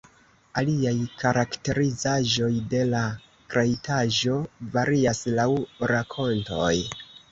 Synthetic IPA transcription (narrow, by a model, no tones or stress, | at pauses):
aliajkaɾakte̞ɾizaʒo̞jde̞la | kɾajtʰaʒo̞vaɾiaslawɾakʰo̞nto̞̰j